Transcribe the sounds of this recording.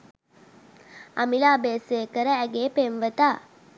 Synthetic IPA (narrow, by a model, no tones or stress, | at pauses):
ɐmilaːbeːseːkəɾəæɡeːpemʋət̪aː